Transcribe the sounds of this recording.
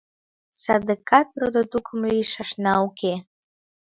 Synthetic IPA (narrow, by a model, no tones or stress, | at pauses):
sad̪əkʰat̪ɾod̪at̪ukʰməiʃaʂnaukʰe